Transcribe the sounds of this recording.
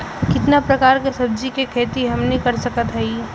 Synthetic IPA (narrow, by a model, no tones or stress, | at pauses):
kɪt̪napɾɐkaːɾkesɐb̚d͡ʒikekʰeːt̪iɦɐmnĩkɐɾsɐkət̪ɦɛiː